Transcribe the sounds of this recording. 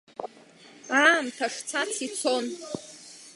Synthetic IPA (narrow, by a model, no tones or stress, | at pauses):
amtʰaʂt͡sʰat͡sʰit͡sʰon